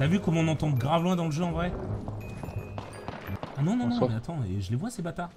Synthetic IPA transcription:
t̪avykɔmɔ̃nɑ̃t̪ɑ̃ɡʁavlwɛ̃d̪ɑ̃ləʒøɑ̃vʁɛ | anɔ̃nɔ̃nɔ̃mɛat̪ʰɑ̃eʒəlevwasebat̪a

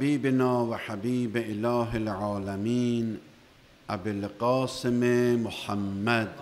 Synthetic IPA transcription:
hbiːbenɒːvaħabiːbeelɒːɦelʕɒːlæmiːn | ʔabelqɒːsememoħamːæd̪

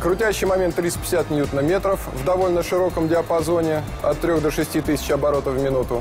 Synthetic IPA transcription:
kɾʊtʲæɕːɪjmɐmʲent̪ːɾʲitspʲɪ̥sʲæt̪nʲjut̪nəmʲe̞t̪ɾəfvd̪ɐvo̞lʲnəʂɨɾo̞kəmdʲɪɐpɐzo̞nʲɪ | ɐ̰t̪ːɾʲo̞ɣd̪oʂɨsʲtʲit̪ɨsʲɪ̥t͡ɕɐbɐɾo̞t̪əvmʲɪnut̪ʊ

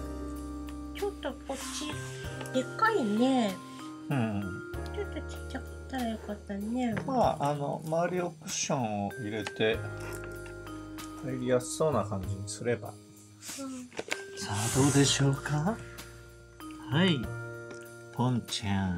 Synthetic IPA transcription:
t͡ɕo̞t̪ːo̞kot͡ɕːi | d̪̥e̞kaine | ɯ̃ɴt͡ɕo̞t̪ːo̞t͡ɕi̥ːakɯ̥t̪ːaɾajo̞kat̪ːanːe̞maːano̞̰maβaɾʲiokɯ̟̥ɕõ̞ɰ̃oʔiɾe̞t̪e̞ | haiɾʲijasɨ̥so̞ːnakãɲ̟d͡ʑiɲ̟isɨɾe̞ba̰ | ɯ̃sad̪o̞ːd̪e̞ɕo̞ːka | hai | pʰõɲt͡ɕã

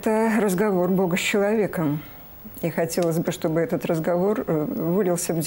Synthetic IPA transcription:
t̪ərəzɡɐvo̞rbo̞ɡəsʲt͡ɕːɪlˠɐvʲe̞kəm | ixɐtʲe̞lˠəzʲbɨʂt̪o̞bɨɛt̪ət̪rəzɡɐvo̞rvɨlʲɪlˠsʲəvʲ

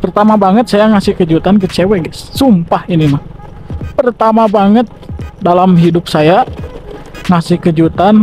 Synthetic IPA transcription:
pərt̪amabaŋət̪̚sajaŋasɪhkəd͡ʒut̪ankət͡ʃɛwɛɡɛssumpahinimah | pərt̪amabaŋət̪̚dalamɦidʊp̚saja | ŋasɪhkəd͡ʒut̪an

